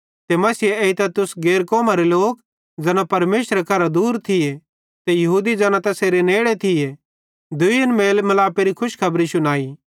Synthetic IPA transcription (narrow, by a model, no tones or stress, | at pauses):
t̪emɐsieit̪ɛt̪ʊsɡeːɾkɔːmaɾeloːk | d͡zɐːnãpɐɾmeːsɾekʰɐɾad̪uːɾt̪ʰɪje | t̪ejɐɦuːd̪id͡ʒaːnat̪ɛseɾeneːɽet̪ʰɪje | d̪ʊiɐnmeːlmɐlaːpeɾikʰʊʃkʰɐbɾisʊnaːiː